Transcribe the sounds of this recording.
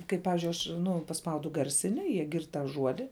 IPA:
kɐɪ ˈpɑːʋʲɪzʲd͡ʒʲʊɪ ɐʃ ˈnʊ pɐˈspɐʊdʊ ˈɡɐrʲˌsʲɪnʲɪ jiɛ ˈɡʲɪrt tɑː ˈʒuɔdʲɪ

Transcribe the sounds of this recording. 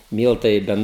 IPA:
ˈmʲiːlˠtɐɪ ɪ ˈbʲɛn

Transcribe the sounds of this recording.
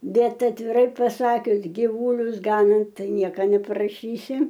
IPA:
ˈbʲɛt ɐtʲʋʲɪˈrɐɪ pɐˈsɑːkʲʊs ɡʲɪˈʋuːlʲʊs ˈɡɑːnɐnt ˈtɐɪ ˈnʲiɛkɐ nʲɛpɐrɐˈʃʲiːsʲɪ

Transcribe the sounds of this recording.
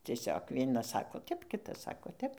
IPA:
t͡sʲiɛˈsʲoːk ˈʋʲiɛnɐs ˈsɑːkoː ˈtʲɛp ˈkʲɪtɐs ˈsɑːkoː ˈtʲɛp

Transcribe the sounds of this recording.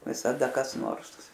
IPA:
ʋʲɪsɐˈdɐ kɐs ˈnoːrs

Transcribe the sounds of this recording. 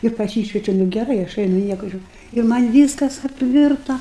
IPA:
ɪr pɐˈsʲiːʃʲʋʲɛt͡ʃʲʊ nʊ ɡʲɛˈrɐɪ ɐʃ ˈɐɪnʊ ˈnʲiɛkʊ ˈʒʲuːrʲ ɪ ˈmɐnʲ ˈʋʲiːskɐs ɐpʲˈʋʲɪrtɐ

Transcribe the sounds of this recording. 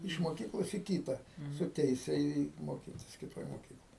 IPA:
ɪʃ moːˈkʲiːklˠoːs iː ˈkʲiːtɐ sʊ ˈtʲɛɪsʲɛ iː ˈiː ˈmoːkʲɪtʲɪs kʲɪˈtoːj moːˈkʲiːklˠoːj

